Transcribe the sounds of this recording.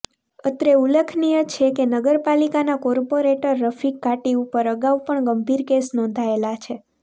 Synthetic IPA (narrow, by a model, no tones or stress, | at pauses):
ət̪ɾeuləkʰnijət͡ʃʰekenəɡəɾpalikanakɔɾpoɾeʈəɾːəfʰikːaʈiupəɾəɡaʋpəɳɡəmbʱiɾkesnɔ̃nd̪ʱaelat͡ʃʰe